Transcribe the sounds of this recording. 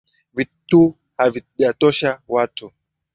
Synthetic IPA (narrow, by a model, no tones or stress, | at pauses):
vitu | haviʄatɔʃawatu